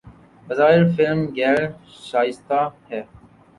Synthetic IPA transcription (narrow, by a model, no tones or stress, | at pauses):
bɐzaːɪɾfɪlmɡɛːl | ʃaːɪst̪aːhɛː